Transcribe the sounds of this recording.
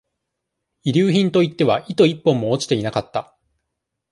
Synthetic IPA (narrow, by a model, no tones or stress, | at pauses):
iɾʲɨːçĩnt̪o̞it̪ːe̞βaʔit̪o̞ipːõ̞mːo̞ːt͡ɕi̥e̞inakat̪ːa